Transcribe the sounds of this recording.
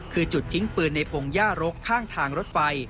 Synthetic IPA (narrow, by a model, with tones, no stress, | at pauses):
kʰɯː˧t͡ɕu˨˩t̪̚ʰːi˦˥ŋpɯː˧˩nːa˧jpʰo˧ŋjaː˥˩ɾo˦˥kʰːaː˥˩ŋt̪ʰaː˧ŋɾo˦˥t̪̚fa˧j